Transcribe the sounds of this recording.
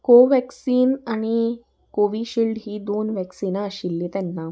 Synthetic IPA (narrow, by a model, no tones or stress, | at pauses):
koʋɛksiːnaɽ̃i | koʋiɕilɖɦiːd̪onʋɛksinaəɕilːet̪ɛnːa